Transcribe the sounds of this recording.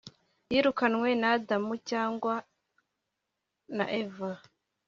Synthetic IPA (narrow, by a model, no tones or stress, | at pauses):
jiːɾukanwe̞naːdamucaːŋɡwa | na̰ʔeva